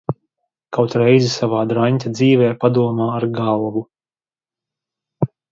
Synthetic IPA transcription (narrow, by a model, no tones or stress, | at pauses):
kawt̪ɾɛjzisavaːd̪ɾanʲt̪ʲad̪ziːvɛːpad̪uɔmaːaɾɡalˠvu